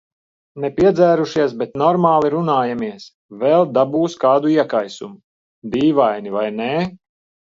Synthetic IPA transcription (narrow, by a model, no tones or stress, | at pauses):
nɛpʲiɛd̪zæːɾuʃiɛsbɛt̪nɔɾmaːlˠiɾunaːjamiɛs | vɛlˠd̪abuːskaːd̪uiɛkajsṵmu | d̪iːvajnivajne